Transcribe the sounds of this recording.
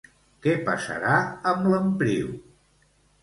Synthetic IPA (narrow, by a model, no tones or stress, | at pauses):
kɛpəsə̰ɾaəmləmpɾiw